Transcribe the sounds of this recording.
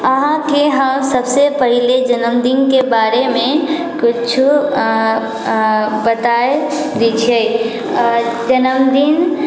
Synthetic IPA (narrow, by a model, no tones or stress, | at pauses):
əɦãkeɦəmsəbsepəɦiled͡ʒɐnəmd̪iːnkebaːɾemẽ | kʊt͡ʃʰu | bət̪aːj | d̪it͡ʃʰe | d͡ʒɐnəmd̪in